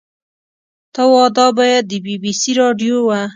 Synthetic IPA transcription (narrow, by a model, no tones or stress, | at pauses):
t̪awɑd̪ɑbɑjad̪̚ːəbibisiɾɑɖjowa